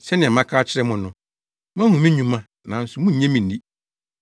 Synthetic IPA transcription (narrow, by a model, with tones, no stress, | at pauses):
sɛ˦nɪ̃˨ɛ̃˨mã˦kʰaː˦t͡ɕʰɪ˦ɾɛ˦mʊ̃˨nʊ̃˨ | mã˦hũ˨mĩ˦ɲũ˨mã˦ | nã˨n̩˦sʊ˦mʊ̃˦ɲ̩˨ɲɛ̃˦mĩ˨n̩˨di˦